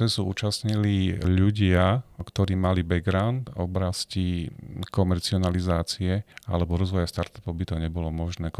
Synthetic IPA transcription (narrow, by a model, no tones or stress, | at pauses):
ɛzuṵːt͡ʃasɲiliʎuɟɪakt̪ɔɾiːmalibɛɡɾaʊnt̪ɔ̰bɾascikɔmɛɾt͡siɔnalizaːt͡siɛa̰lɛbɔɾɔzʋɔjast̪aɾt̪ḁpɔʊbit̪ɔɲɛbɔlɔmɔʒnɛː